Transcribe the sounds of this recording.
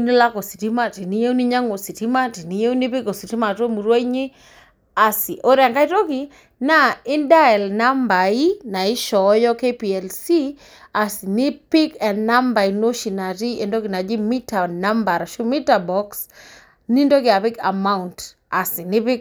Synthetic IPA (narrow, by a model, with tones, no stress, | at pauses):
ni˦la˦ko˨si˨ti˦ma˦ti˨ni˦je˦u˦ni˦ɲa˦ŋo˨si˨ti˦ma˦ti˨ni˦je˦u˦ni˦pi˦ko˨si˨ti˦ma˨to˦mu˨ɾwa˦i˦ɲi˦ | a˨si˨ʔo˦ɾa˨ŋka˦i˦to˦ki˨ | na˦ɪ˦nda˦ɛ˨lna˦mba˨i˦na˨i˦ʃɔ˨˦jɔ˦ke˦pi˨ɛ˨lsi˦ | a˨si˨ni˦pɪ˦kɛ˨nna˦mba˨i˨no˦ʃi˨na˨ti˦e˨ndo˦ki˨na˨d͡ʒi˦mi˦ta˨na˦mba˨ɾʃu˦mi˦ta˨bɔ˦ks | ni˦ndo˦kɪ˨a˨pɪ˦ka̰˨ma˦unt | a˨si˨ni˦pɪ˦k